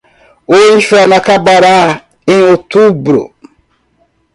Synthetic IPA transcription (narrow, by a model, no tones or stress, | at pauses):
oiʃanakabaɾa | inotubɾo̰